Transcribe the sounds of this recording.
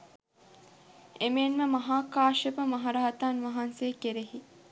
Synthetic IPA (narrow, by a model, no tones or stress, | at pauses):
emeːnʋemɐɦaːkaːʃepəmɐɦɐɾaɦɐt̪aːnʋɐɦanseːkeɾeɦi